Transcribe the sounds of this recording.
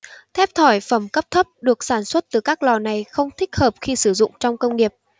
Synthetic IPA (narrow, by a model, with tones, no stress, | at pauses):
t̪ʰɛ˦˥p̚t̪ʰɔ˧˩jfə˧˩mkə˦˥p̚t̪ʰə˦˥p̚ɗɨ˨˩ək̚saː˧˩nswə˦˥t̚t̪ɨ˨˩kaː˦˥k̚lɔ˨˩na˨˩jxə˧wŋ͡mt̪ʰï˦˥k̟̚həː˨˩p̚xi˧sɨ˧˩zʊ̰˧˨ŋ͡mt͡ɕɔ˧wŋ͡mkə˧wŋ͡mŋi˨˩əp̚